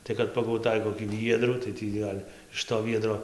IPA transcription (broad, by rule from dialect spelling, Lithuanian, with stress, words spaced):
ˈtɐɪ kɐt pɐɡɐʊˈtɐɪ koːkʲiː ˈʋʲiɛdruː tɐɪ ˈtʲiː ɡɐlʲ ɪʃ toː ˈʋʲiɛdroː